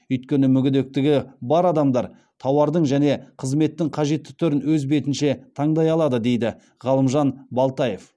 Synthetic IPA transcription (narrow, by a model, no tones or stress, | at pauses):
ʏjt̪̚kʲe̞nɪmʏɡʲɪd̪ek̚t̪ɪɡʲɪbɑɾɑd̪ɑmd̪ɑɾ | t̪ʰɑwɑɾd̪əɴʒæne̞qʰəzme̞t̪ːɪŋqʰɑʒe̞t̪ːɪ̥t̪ʰʏɾɪnwɵzbe̞t̪ɪnʃe̞t̪ʰɑɴd̪ɑjɑlˠɑd̪əd̪e̞jd̪ɪ | ʁɑlˠəmʒɑnbɑlˠt̪ɑje̞f